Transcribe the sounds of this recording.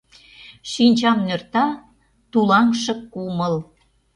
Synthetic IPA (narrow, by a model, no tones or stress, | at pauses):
ʃinʲt͡ɕɑmnørt̪ɑ | t̪ulɑŋʃɤ̆kːuməl